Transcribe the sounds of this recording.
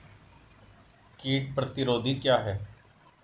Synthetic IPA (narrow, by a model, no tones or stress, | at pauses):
kiːʈpɾət̪ɪɾoːd̪iːkjaːɦɛː